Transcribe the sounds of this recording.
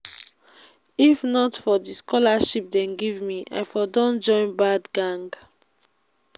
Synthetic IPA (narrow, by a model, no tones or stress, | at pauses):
ifnɔtfɔdiskɔlaʃip̚dɛ̃nɡivmiʔa̰jfɔdɔ̃nd͡ʒɔ̃ɪ̃nbadɡãŋɡ